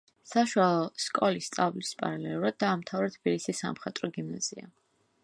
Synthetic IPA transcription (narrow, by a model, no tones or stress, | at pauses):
saʃwalˠɔskʼɔlist̪sʼavlispʼa̰ɾalɛlˠuɾad̪̚d̪aːmt̪ʰavɾɛt̪ʰb̥ilisisa̰mχat̪ʼɾɔɡimnaz̥ḭa̰